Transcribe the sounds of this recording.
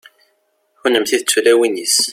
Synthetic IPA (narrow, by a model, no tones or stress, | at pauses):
xʊnəmθiðət͡sːulæwinis